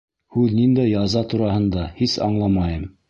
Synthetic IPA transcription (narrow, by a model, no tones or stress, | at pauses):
hʉðnind̪æjɑzɑt̪uɾɑhɤ̆nd̪ɑhisɑ̰ɴlˠɑmɑjɤm